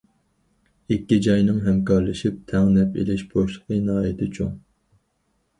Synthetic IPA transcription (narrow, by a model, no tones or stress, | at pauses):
ɪkʲːid͡ʒɑjnɨŋɦɛmkɑɾlˠɨʃip̚t̪ʰɛŋnɛpḛlɪʃboʃlˠəqʰənɨɦɑjɪt̪ʰɪt͡ʃʰuŋ